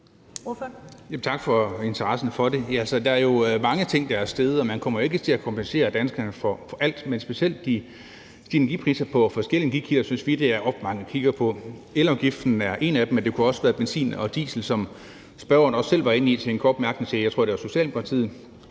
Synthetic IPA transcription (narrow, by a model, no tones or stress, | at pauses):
jæmt͡sʰɑ̈ɡ̥fɒ̽e̝nt͡sʰɐʁɑ̈sn̩fɒ̽de̝ælsəd̥ɑ̈æɐjo̝mɑ̈ŋət͡sʰe̝ŋ̰d̥ɑ̈æɐsd̥eð̞ˠɒ̽mænkʰɒ̽m̰ɐjo̝e̝ɡ̥ət͡sʰe̝lækʰɒ̽mpʰense̝̰ːɐd̥ænsɡ̥ɐnəfɒ̽fɒ̽ʔæl̰d̥mensb̥e̝siel̰d̥ːi | sd̥inɐɡḭpʰʁḭːsɐpʰɒ̽fɒ̽sɡ̥el̰iɡ̥ikʰilɐsynsʋid̥e̝æɐʔɒ̽fd̥mɑ̈ŋəkʰiɡ̥ɐpʰɒ̽elɒɡ̥ifd̥n̩æɐʔe̝næd̥emend̥e̝kʰuɒ̽səʋæːɐb̥ensḭːnɒ̽d̥ḭːsl̩sɒ̽m | sb̥ɶ̰ɐɐnɒ̽sːel̰ʋɑ̈e̝nit͡sʰe̝enkʰɒ̰ːd̥mæɐɡ̥nesʰejɑt͡sʰʁo̰de̝ʋɐso̝ɕiɛ̰ːlpʰɑt͡sʰið̰̩ˠ